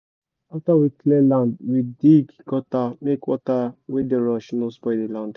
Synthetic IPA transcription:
aftawiklelãndwidiɡɡɔtamekwɔtawedeɹɔʃnospɔɪdelãnd

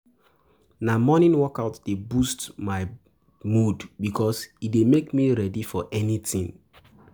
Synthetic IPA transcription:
namɔnĩnwɔkaʊtd̥ebustmaɪ | mudbikʰɔsidemekmiɹɛdifɔʔɛnitĩŋ

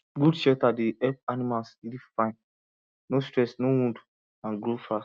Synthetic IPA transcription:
ɡudʃɛltadiɛp̚animalsidifãɪ̃n | nostɹɛsnowũnd | ãnɡɾofas

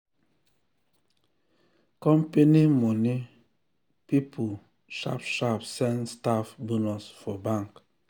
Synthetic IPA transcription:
kɔmpenimoni | pipʰu | ʃa̰pʃapsɛnstafbunɔsfɔbãŋk

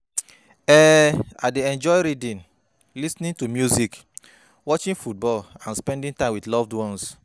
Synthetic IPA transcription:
ɛadeɛ̃nd͡ʒɔjɹidĩn | lisnĩntumjuzik | wɔt͡ʃĩnfut̚bɔlãnspɛ̃ndĩntãɪmwidlɔvdwɔ̃ns

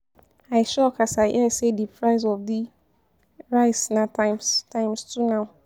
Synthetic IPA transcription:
aɪʃɔkʰasaʔɛsɛdipʰɹaɪzɔfdi | ɹaɪsnãtʰãɪmstʰãɪ̃mstʰunãʊ

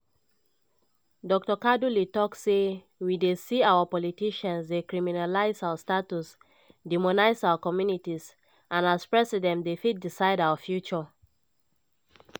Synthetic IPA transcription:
dɔk̚tɔkadulitɔkse | widesiawəpɔlitiʃə̃nsdekɹiminalaɪzaʊəstatus | dimɔnaɪsaʊəkɔmjunitis | ʔãnaspɹɛsidɛ̃ndefit̚disaɪdawəfjut͡ʃɔ

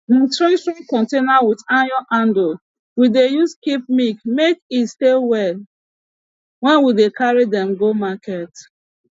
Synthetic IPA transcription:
nĩtɹẽtɹɔ̃mkɔ̃ntenawidajɔʔãndo | widejuskip̚mikmekitstewɛl | wɛ̃nwidekʰaɹidɛ̃mɡomakɛt

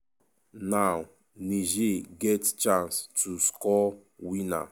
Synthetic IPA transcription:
naw | niʒeɡɛtt͡ʃãnstuskɔwina̰

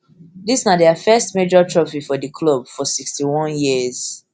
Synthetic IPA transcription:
disnadɛafɛstmed͡ʒɔtʰɹɔfifɔdəkʰlobfɔsikstiwɔ̃njiz̥

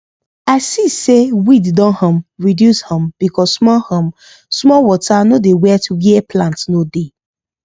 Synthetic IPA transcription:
aɪsisewiddɔ̃nhɔ̃mɹidjushɔ̃mb̥ikʰɔssmɔhɔ̃m | smɔwɔtanodewɛtʰujiɛpʰlãntnode

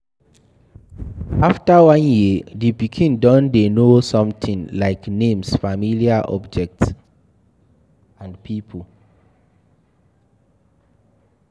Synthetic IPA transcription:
aftawɔ̃njidipikʰĩndɔ̃ndenosɔ̃mtʰĩŋlaɪknẽmsfamiliaʔɔ̰bd͡ʒɛk̚ts | ãnpʰipʰol

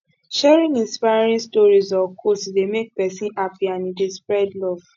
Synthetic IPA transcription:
ʃɛɹĩŋĩnspaɾĩstɔɹizɔkʰostdemek̚pɛsĩnapiãnidespɹɛdlɔv̥

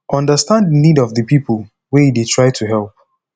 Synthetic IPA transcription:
ʔʌ̃ndəstãnddənidɔvðəpʰipəlˠ | weiditʰɹ̥aɪtʰuɦɛlˠp̚

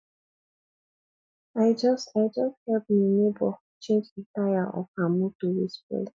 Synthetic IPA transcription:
aɪd͡ʒʌstaɪd͡ʒʌst̚hɛlp̚ninebɔ | t͡ʃẽnd͡ʒitajaʔɔ̰famutuðispḛ

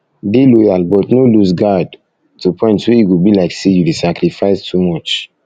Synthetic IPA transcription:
delɔjalbɔtnoluzɡad | tupʰɔ̃ɪ̃ntwejiɡubilaɪksejudisakɾifaɪstʰumɔt͡ʃ

